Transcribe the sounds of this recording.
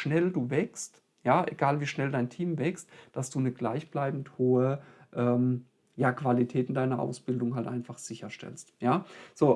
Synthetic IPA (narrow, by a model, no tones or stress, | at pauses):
ʃnɛlduːvɛkst | jaːʔḛɡ̥aːlviːʃnɛldaɪntʰiːmvɛkstd̥asd̥uːnəɡlaɪçb̥laɪbn̩thoːəʔɛːm | jaːkv̥alitʰɛːtɪndaɪnɐʔa̰ʊsb̥ɪldʊŋɦaltʔa̰ɪnfaχz̥ɪçɐʃtɛ̰lstjaːz̥oː